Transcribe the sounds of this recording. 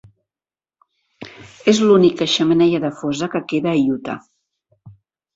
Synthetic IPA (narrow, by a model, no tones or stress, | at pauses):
ezlunikəʃəmənɛʎəðəfozəkəkeðəːʎut̪ə̰